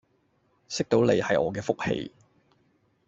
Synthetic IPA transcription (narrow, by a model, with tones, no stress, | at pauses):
sɪ˥k̚t̪o˨˥wle˨˧jhɐ˨jɔː˨˧kɛː˧fʊ˥k̚hḛ˧j